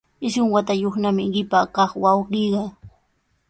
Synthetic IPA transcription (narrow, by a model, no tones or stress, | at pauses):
ɪsʊŋwat̪ajoχnamɪɢɪpakɑχwawɢiɢɑ